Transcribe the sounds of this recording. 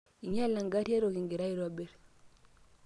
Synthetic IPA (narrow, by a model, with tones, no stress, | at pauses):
i˨ɲ˦a˦˨la˨ŋɡa˦ti˦e˦ɾo˨ki˨ŋɡi˨ɾa˦i˦˨ɾa˨be˦ɾ